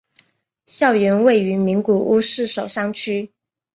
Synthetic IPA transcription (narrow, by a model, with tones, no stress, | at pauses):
ɕjɑ˥˩ʊɥɛ˧˥nwe˥˩ɪy˧˥mi˧˥ŋku˨˩ʔu˥ʂɻ̩˥˩ʂo˨˩ʊʂɑ˥˧ŋt͡ɕʰy˥